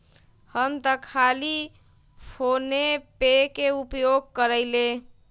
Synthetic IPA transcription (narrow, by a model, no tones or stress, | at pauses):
həmt̪əkʰali | pʰonepekeupjoɡ̚kəɾəɪle